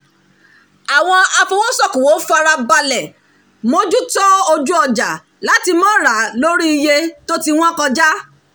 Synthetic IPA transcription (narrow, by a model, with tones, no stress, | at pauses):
a˨w̃ɔ̃˧a˧fo˧wo˦sɔ˦˨kũ˨wo˨˦fa˧ɾa˧ba˧lɛ˨ | mõ˦d͡ʒu˦tɔ˦o˧d͡ʒu˦ɔ˧˨d͡ʒa˨ | la˨˦ti˧mɔ̃˦ɾa˨˦lo˦ɾi˦i˧je˧to˦ti˦w̃ɔ̃˦kɔ˧d͡ʒa˦